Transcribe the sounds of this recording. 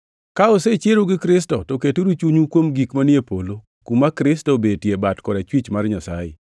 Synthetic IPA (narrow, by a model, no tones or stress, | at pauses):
kaoset͡ʃjeɾoɡɪkɾɪs̬tɔtoketoɾut͡ʃuɲukwomɡikmanɪepolo | kumːakɾɪstobedtjebatkɔɾat͡ʃwit͡ʃmarɲasa̰jɪ̰